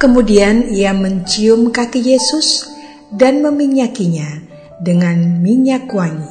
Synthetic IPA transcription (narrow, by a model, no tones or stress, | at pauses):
kəmudianiaməɲt͡ʃiʊmkakijesʊs | danməmiɲakiɲa | dəŋanmiɲakwaŋi